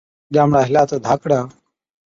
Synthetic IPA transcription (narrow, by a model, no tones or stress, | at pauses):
ɗaːmɽaːɦɪlaːt̪əd̪ʱaːkɽaː